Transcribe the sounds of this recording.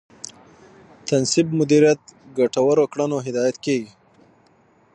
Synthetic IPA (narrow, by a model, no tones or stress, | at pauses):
t̪ansɪb̚mʊd̪iɾjat̪̚ɡaʈawaɾokɽanoɦɪd̪ɑjat̪keɡi